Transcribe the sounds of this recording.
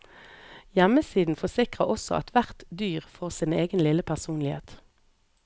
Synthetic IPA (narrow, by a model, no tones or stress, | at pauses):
jɛməsiːd̪n̩fɔsɪkʁəɔsɔ̰ʔɑ̰t̪ʰʋæʁt̪d̪yːʁfɔʁsiːneːɡənlɪləpʰæʁsuːnlɪhḛːt̪